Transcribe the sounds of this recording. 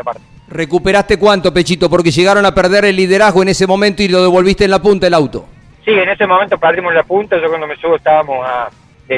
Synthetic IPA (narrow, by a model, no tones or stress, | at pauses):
apaɾt̪e̥ | rekupeɾast̪ekwant̪o̞pet͡ʃit̪o̞poɾkeʒeɣaɾo̞napeɾðeɾelːiðeɾaɦɣo̞enesemo̞mẽnt̪oiloð̞e̞βo̞lβist̪eːnlapunt̪aelawt̪o̞̰ | sienesemomẽnt̪opɛɾðimoslapunt̪aʒokwand̪omesuβoeht̪aβamosa | d̪e